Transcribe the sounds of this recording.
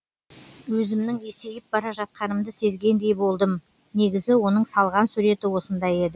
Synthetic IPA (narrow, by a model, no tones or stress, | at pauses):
wɵzɪmnɪŋe̞se̞jɪp̚bɑɾɑʒɑt̪̚qɑnəmd̪əse̞zɡʲe̞nd̪e̞jbo̞lˠd̪əm | ne̞ɡʲɪzɪwo̞nəɴsɑlˠʁɑnsuɾe̞t̪ɪwo̞sənd̪ɑje̞d̪ɪ